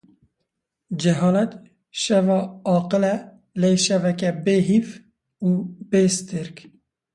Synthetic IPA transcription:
d͡ʒɛɦɑːlɛt̪ | ʃɛvɑːɑːqɨlɛ | leːʃɛvɛkɛbeːɦif | uːbeːst̪ɨɾk

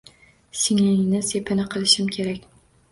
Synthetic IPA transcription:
sɪŋlɪŋnɪsepʰɪnɪqʰɨlˠɪʃɪmkʲʰeɾakʲ

